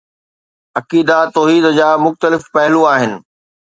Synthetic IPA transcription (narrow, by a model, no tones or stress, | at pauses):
ɐkiːd̪at̪ɔːɦiːd̪d͡ʑaːmʊxt̪əlɪfpɐɦɪlũaːɦɪnɪ̆